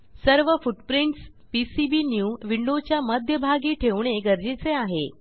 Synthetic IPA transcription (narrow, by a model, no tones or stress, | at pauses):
səɾʋəfuʈpɾiɳʈs | pisibinjuʋiɳɖot͡ɕjaməd̪ʱjəbʱaɡiːʈʰeʋɳ̃eɡəɾd͡ʑet͡seaɦḛ